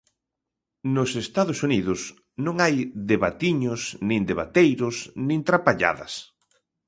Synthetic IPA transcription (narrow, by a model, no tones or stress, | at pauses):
nosest̪aðʊsuniðʊs | nõŋajðeβat̪iɲʊsnĩnd̪eβat̪ejɾʊsnĩnt̪ɾapaʎa̰ðɐ̰s